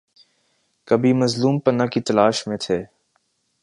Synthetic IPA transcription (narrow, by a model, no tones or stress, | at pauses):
kəbʱiːməzluːmpənakit̪ɐlaːʃmẽt̪ʰeː